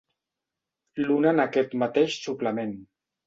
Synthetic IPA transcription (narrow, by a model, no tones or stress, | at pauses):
lunanakɛt̪mat̪eʃsuplamen